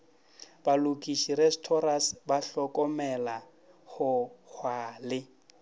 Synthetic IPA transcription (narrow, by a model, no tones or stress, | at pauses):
balukʼiʃiɾɛstʰɔɾasbaɬɔkʼɔmɛla | hʊhʰwaːlɪ